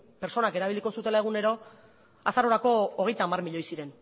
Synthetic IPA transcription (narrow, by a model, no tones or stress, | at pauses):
pe̞ɾt͡so̞nake̞ɾaβ̞iliko̞sut̪e̞lae̞ɣ̞une̞ɾo̞ | asaɾo̞ɾako̞ːɣ̞e̞jt̪aːmarmiʎo̞jsiɾe̞n